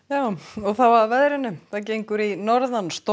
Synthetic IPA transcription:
jaːwɔɣθavavɛðɾɪnːʏθacejŋkʏɾinɔɾðanst̪

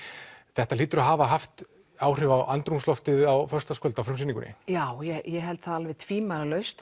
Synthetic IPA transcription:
θɛht̪aliːt̪ʏɾaɦaːvaɦaft̪ | aːwr̥ɪvawant̪ɾumslɔft̪ɪðawfœr̥st̪askœlt̪awfɾʏmsɪniŋkʏ̰nɪ̰jaːwjɛjɛɦɛlt̪θaðalvɪt̪ʰviːmaɾlœɥst̪

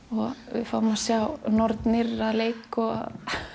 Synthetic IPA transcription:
ɔɣʋɪ̰fawmasjawnɔɾt̪nɪɾaðleːjkɔa̰ð

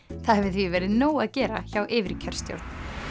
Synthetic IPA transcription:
θaðhɛvɪθvivɛːɾɪðnoːwaðcɛːɾaçawʔɪːvɪɾcʰɛɾ̥st̪jo̰ɾt̪n

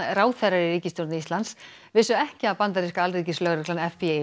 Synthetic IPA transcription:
raːwθɛɾaɾɪriːcɪst̪owɾt̪nɪist̪lant̪s | vɪsʏɛhcɪapant̪aɾiskaalriːcɪslœɣɾʏklanɛfi

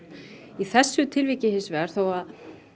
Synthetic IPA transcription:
iθɛsːʏt̪ʰɪlvicɪhɪnsvɛɣaɾ̥θowað

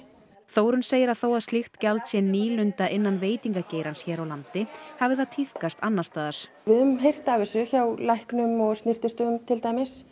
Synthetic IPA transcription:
θoːwɾʏnseːjɪɾaðθoːwaðst̪lixt̪cɛlt̪sjɛnniːlʏnt̪aʔɪnːanveːjt̪iŋkaceːjɾansçɛːɾawlant̪ɪhavɪðat̪ʰiθkast̪anːast̪aːðaɾ̥ | vɪðʏmɦejr̥t̪aːvɪsʏçawlajhknʏmɔɣst̪nɪr̥t̪ɪst̪ʏɣʏmt̪ʰɪlt̪aːjmɪs

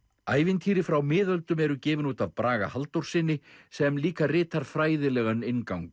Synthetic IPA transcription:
aːjvɪnt̪ʰiːɾɪfɾawmɪːðœlt̪ʏmɛɾʏcɛːvɪnuːt̪avpɾaːɣa̰halt̪owɾ̥sɪnːɪsɛmliːkarɪːt̪aɾ̥fɾaːjðɪlɛːɣanɪnkawŋk

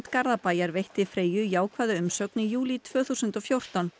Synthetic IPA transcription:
t̪kaɾðapaːjaɾvejht̪ɪfɾeːjʏjaːwkʰvaːðʏʏmsœknɪjuːlit̪ʰv̥œːθusʏnt̪ɔfjowr̥t̪an

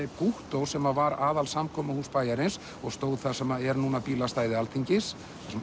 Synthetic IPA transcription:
ɪpuht̪owɾ̥sɛmavaɾaːðalsamkʰɔːmahuːspaːjaɾɪns | ɔɣst̪oːwðθasɛmaɛɾnuːnapiːlast̪aːjðɪalt̪ʰiɲcɪs | s

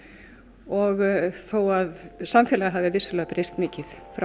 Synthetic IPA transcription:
ɔɣθowaðsamfjɛːlaɣaɦavðɪvɪsːʏlaːpɾest̪mɪːcɪðfɾa

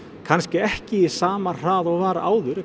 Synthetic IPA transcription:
kʰanscɪɛhcɪisaːmar̥aːðɔɣvaːɾa̰ːwðʏɾ

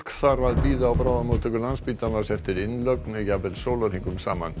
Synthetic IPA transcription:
kθaɾvaðpiːðawpɾaːðamut̪ʰʏkʏlanspiːt̪anasɛft̪ɪɾɪnlœknɛjavɛlsowlaɾiŋkʏmsaːma̰n

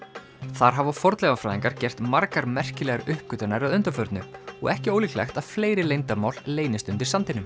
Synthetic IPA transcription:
θaɾ̥ɦavafɔɾt̪lɛɣafɾaːðiŋkaɾ̥cɛr̥t̪maɾkaɾmɛr̥cɪlɛːɣaɾʏhpːʏt̪anaɾaðʏnt̪afœɾt̪nʏɔ̰ɣɛhcɪoːwliklɛ̰xt̪aðfleːjɾɪlejnt̪amawlːeːjnɪst̪ʏnt̪ɪɾ̥sant̪ɪnʏm

